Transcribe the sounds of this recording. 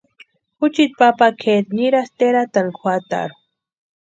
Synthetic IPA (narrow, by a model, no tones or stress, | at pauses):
xut͡ʃit̪̚papakʰet̪niɾast̪eɾat̪aŋkʰʷwat̪a̰ɾu